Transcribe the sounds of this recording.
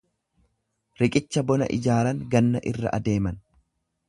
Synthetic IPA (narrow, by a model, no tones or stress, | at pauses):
ɾɪkʼɪt͡ʃːɐbɔnɐ̰ʔɪ̰d͡ʒaːɾɐŋɡɐnːɐʔɪrːɐ̰ʔɐ̰d̪e̞ːmɐn